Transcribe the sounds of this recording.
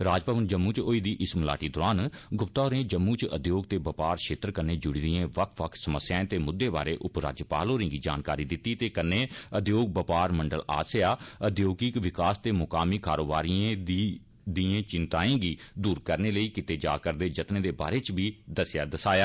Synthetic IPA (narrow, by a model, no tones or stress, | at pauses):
ɾaːd͡ʒpəʋənd͡ʒəmːuːt͡ʃoːiːd̪iːʔɪsmla̰ːʈiːd̪ʊɾaːnɡʊpt̪aːɾẽːd͡ʒəmːuːt͡ʃəd̪joːɡt̪eːbəpaːɾʃʰeːt̪əɾkəɾneːd͡ʒʊɽiːɾɪjẽːʋəkʰʋəkʰsəməsːjaːẽːt̪eːmʊd̪ːeːba̰ːɾeːʔʊpɾa̰ːd͡ʒjəpaːloːɾẽːɡiːd͡ʒa̰ːnkaːɾiːd̪ɪt̪ːiːt̪eːkənːeːəd̪joːɡ̚bəpaːɾməɳɖəla̰ːsjaːəd̪joːɡikʋɪkaːst̪eːmʊkaːmiːkaːɾoːbaːɾiːẽi | d̪iːẽːt͡ʃɪnt̪aːẽːɡiːd̪uːɾkəɾneːləiːkɪt̪eːd͡ʒa̰ːkəɾd̪eːd͡ʒət̪nẽːd̪eːba̰ːɾeːt͡ʃbiːd̪əsjaːd̪əsaːjaː